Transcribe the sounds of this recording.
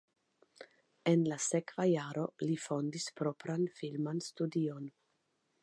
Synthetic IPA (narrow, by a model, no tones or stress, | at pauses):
enlasekvajaɾo̞lifo̞ndispɾo̞pɾanfilmanstudio̞n